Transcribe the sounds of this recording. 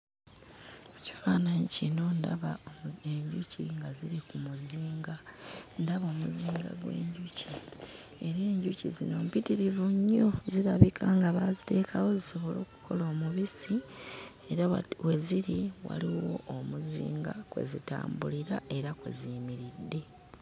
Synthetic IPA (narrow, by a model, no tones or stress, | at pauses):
oci̥faːnaɲicino̞nda̰βaeɲɟuciŋɡaziɾikumuziːŋɡandaβo̞ːmuziːŋɡa̰ɡwe̞̰ːɲɟuci | e̞ɾe̞ːɲɟucḭzḭno̞mpitiɾivuɲːoziɾaβikʰaŋɡaβazite̞ːkʰawo̞ziso̞βo̞lo̞ːku̥kʰo̞lo̞ːmuβisi | e̞ɾawe̞ziɾiwa̰liwo̞̰omuzḭːŋɡakwe̞̰zita̰ːmbuliɾae̞ɾakwe̞̰zimiɾidːe̞